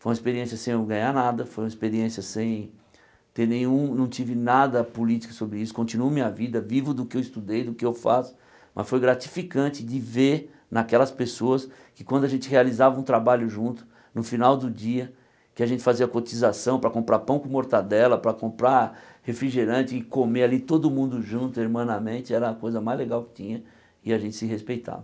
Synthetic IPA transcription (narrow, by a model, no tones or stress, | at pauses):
fojũmɐispeɾiẽsjɐsẽj̃ewɡɐ̃ɲanad̪ɐfojũmɐispeɾiẽsjɐsẽj̃ | t̪eɾnẽj̃ũnɐ̃w̃t͡ʃivɪnad̪ɐpulit͡ʃi̥kɐ̥sobɾɪisʊ̥kõnt͡ʃinuɐmĩɲɐvid̪ɐvivʊd̪ʊkɪewɪst̪ud̪ejd̪ʊkɪewfa̰sʊ̥ | mʔɐ̰sfojɡɾat͡ʃi̥fikɐ̃nt͡ʃɪd͡ʒɪveɾ | nakɛlɐspesoɐs | kɪ̥kwɐ̃nd̪ʊaʒẽnt͡ʃɪhealizavɐũt̪ɾabaʎʊʒũnt̪ʊ̥ | nʊfinawd̪ʊd͡ʒiɐ | kɪaʒẽnt͡ʃɪ̥faziɐkot͡ʃizasɐ̃w̃pɾɐkõmpɾʔapɐ̃w̃kʊmoɾt̪ad̪ɛlɐpɾɐkõmpɾa | hefɾiʒeɾɐ̃t͡ʃɪɪkomealit̪od̪ʊmũnd̪ʊʒũnt̪ʊeɾmɐ̃nɐmẽt͡ʃɪɛɾɐːkojzɐmajzleɡawkɪ̥t͡ʃĩɲɐ | ɪaʒẽnt̪ɪ̥sɪɦespejt̪a̰vɐ